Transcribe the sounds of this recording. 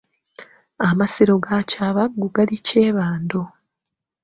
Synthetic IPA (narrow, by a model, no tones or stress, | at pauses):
amasiɾo̞ɡacaβaɡuɡaliceːβaːndo